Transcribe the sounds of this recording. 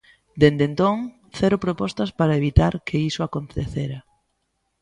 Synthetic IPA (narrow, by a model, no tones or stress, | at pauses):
d̪end̪ent̪oŋ | θɛɾʊpɾopɔst̪ɐspaɾaeβit̪aɾkʰeisʊakont̪eθeɾɐ